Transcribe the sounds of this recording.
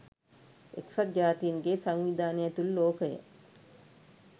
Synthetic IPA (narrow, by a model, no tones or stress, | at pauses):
ḛksɐd̪̚d͡ʒaːt̪ijiŋɡesaŋʋid̪aːnijɐt̪ulːoːkəjə̰